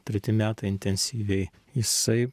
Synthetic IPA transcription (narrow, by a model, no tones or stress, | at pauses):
t̪ʲɾʲɛt̪ʲɪmʲæːt̪ɐɪɪnʲt̪ʲɛnʲsʲiːʋʲɛɪ | jɪsɐɪ